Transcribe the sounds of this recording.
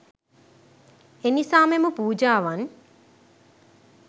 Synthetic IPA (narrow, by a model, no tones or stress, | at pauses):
enisaːmemupuːd͡ʒaːʋan